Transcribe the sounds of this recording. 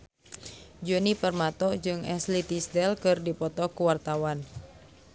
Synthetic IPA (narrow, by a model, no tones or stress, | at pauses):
d͡ʒɔnipərmat̪ɔd͡ʒɨŋɛslit̪isdɛlkɨrdipɔt̪ɔkuwart̪awan